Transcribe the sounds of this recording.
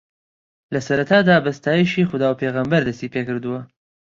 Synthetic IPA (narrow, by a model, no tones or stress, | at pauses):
lɐsɐɾɐt̪ʰaːd̪aːbɐst̪aːjiʃiːxʊd̪aːwpʰeːɣɐmbɐɾd̪ɐst̪iːpʰeːkɨɾd̪uwɐ